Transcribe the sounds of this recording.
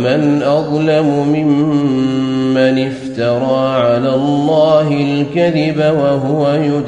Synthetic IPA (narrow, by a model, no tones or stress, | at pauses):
manʔɑðˤlamʊmɪmmː | anɪft̪ɑɾˤɑːʕalaːlˤːɑːɦɪlkaðɪbawaɦʊwajʊ